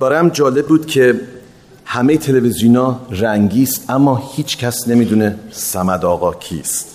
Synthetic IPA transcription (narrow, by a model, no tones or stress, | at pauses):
b̥æɾæmd͡ʒɒːle̞b̚ːuːd̪̥cʰe̞ | hæmejet̪ʰe̞levezijunɒːɾæŋɟiːst̪ʔæmːɒːhiːt͡ʃʰcʰæsne̞miːd̪unesæmæd̪ɒːɣɒːcʰḭːst̪